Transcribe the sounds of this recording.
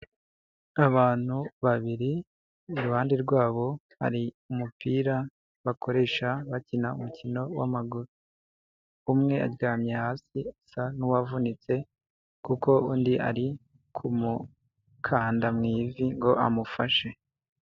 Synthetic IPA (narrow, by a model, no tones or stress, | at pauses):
aβaːn̥huβaβiɾiː | ɾuhaːndiɾɡwaːβo̞ | ha̰ɾi | umupiːɾa | βakʰo̞ɾe̞ːʃaβacinaṵmucʰino̞wa̰maɡuɾu | umŋe̞a̰ɾɡaːmɲe̞haːsiasanuwavunit͡se̞ | kuko̞uːndiʔa̰ɾi | kʰumu | kʰaːndamŋiːviŋɡo̞ʔamufaʃe̞